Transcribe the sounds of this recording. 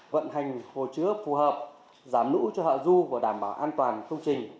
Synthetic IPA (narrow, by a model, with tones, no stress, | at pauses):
və̰˧˨nɦa˨˩jŋ̟ho˨˩t͡ɕɨ˨˦əfu˨˩ɦəː˨˩p̚ | zaː˨˦mnṵ˧˥t͡ɕɔ˧hɔ̰ː˧˨zu˧vu˧˨˩ɗaː˧˩mɓaː˧˦wʔaː˧nt̪waː˨˩nkə˧wŋ͡mt͡ɕï˨˩ŋ̟